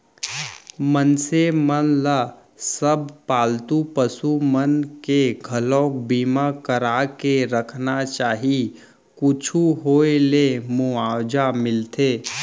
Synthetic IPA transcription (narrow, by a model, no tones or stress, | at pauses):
mənsemənla | səb̚paːlt̪upəsumənkeɡʱəlɔ̃ːkbiːmakəɾakeɾəkʰnat͡ʃaːɦi | kʊt͡ʃʰuɦoːelemuaːwd͡ʒamɪlt̪eː